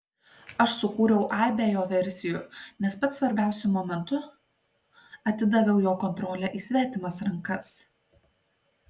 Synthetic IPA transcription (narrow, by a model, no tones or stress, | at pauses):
ɐʃsʊkuːɾʲɛʊʔɑːbʲejoːʋʲɛɾʲsʲɪjʊˑnʲɛspɐt̪sʋɐɾʲbʲæˑʊsʲʊmɔːmʲɛnt̪ʊ | ɐt̪ʲɪd̪ɐʋʲɛʊjoːkɔnt̪ɾɔːlʲɛʔiːsʲʋʲæːt̪ʲɪmɐsɾɐŋkɐs